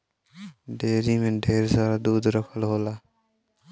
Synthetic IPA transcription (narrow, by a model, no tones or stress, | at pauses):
ɖeːɾimeɖʱeːɾzaɾad̪uːd̪ɾɔkʰɔlɦola